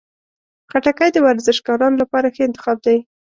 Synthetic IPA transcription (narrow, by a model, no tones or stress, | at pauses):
xaʈakajd̪əwaɾzɪʃɡɑɾɑnolapɑɾaxəɪnt̪ɪ̥xɑb̚d̪a